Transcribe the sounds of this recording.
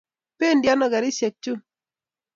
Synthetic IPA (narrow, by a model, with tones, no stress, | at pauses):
pe˦ndja˦nɔ˨ɡa˨ɾɪ˦sja˨k̚t͡ʃːu˦